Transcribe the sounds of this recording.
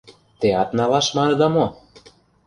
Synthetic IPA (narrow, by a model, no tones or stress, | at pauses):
t̪eɑt̪nɑlɑʃmɑnɤ̆d̪ɑmo